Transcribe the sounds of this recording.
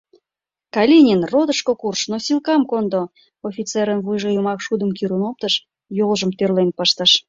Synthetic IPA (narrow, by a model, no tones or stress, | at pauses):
kɑlʲinʲinrod̪əʃkokurʃnosilkɑmkond̪o | ofʲit͡seɾənβujʒojumɑkʃud̪əmkiɾunop̚t̪əʃ | jolʒəmt̪ørlenpəʃt̪əʃ